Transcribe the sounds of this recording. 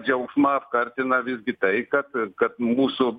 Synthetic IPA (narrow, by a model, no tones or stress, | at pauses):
d͡ʒɐuksmaːfkɐɾt͡ʃenaʋizɡit̪ɐikɐt̪kɐt̪muso